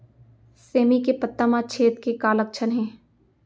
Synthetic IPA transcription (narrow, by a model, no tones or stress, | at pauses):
seːmikepət̪ːamat͡ʃʰeːt̪kekaːlək̚t͡ʃʰənɦɛ̃ː